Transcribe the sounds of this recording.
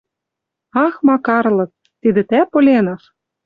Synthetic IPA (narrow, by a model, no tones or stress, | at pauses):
ɑxmɑkɑrlɤ̆k̚ | t̪id̪ɘ̆t̪æpŏlʲenɑʃ